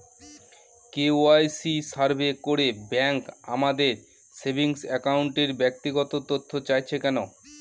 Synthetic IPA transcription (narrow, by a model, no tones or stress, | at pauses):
keoajsisaɾbekoɾebɛŋka̰mad̪eɾ | sebʱiŋsɛkawɳʈeɾbɛk̚t̪iɡɔt̪ot̪ot̪ʰːot͡ɕajt͡ɕʰekɛno